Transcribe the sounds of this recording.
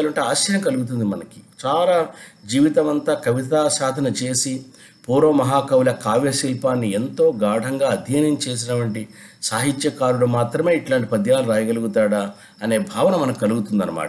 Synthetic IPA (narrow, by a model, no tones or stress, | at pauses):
ɐlɐɳʈeːaːʃjɐjɐŋkɐluɡut̪̬und̪imɐnɐki̥t͡ʃaːlaːd͡ʒiːʋit̪ɐmɐnt̪aːkɐʋit̪aːʃaːd̪ʱɐnɐt͡ʃe̞ːsi | puːɾoːmɐɦaːkɐwlɐkaːʋjɐʃilpaːnːie̞nt̪o̞ːɡaːɖʱɐŋɡaːɐd̪ʱjeːnɐmt͡ʃe̞ːs̬inɐʈʋɐɳʈi | saːɦit̪jɐkaːɾuɽumaːt̪ɾɐme̞ːiʈlaːɳʈipɐd̪ʱjaːluɾaːjɐɡɐluɡut̪aːɽa | ɐne̞ːbʱaːʋɐnɐmɐnɐkikɐluɡut̪und̪ɐnɐma̰ːʈɐ